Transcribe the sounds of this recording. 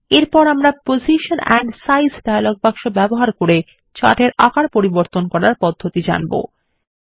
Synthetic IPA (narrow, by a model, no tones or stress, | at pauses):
eɾpɔɾamɾapoziʃonɛ̰ɳɖsajsɖajaloɡ̚bakʃobɛboɦaɾkoɾe | t͡ɕa̰ʈeɾakaɾpoɾiboɾt̪onkɔɾaɾpɔd̪ʱːot̪id͡ʑa̰nbo̰